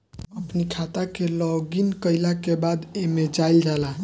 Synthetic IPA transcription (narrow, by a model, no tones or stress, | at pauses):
əpnikʰat̪akelɔɡinkəjlakebad̪emed͡ʒajld͡ʒala